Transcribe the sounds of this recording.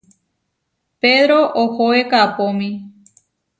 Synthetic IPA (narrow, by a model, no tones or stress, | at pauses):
peðɾoʔohoekapõmĩ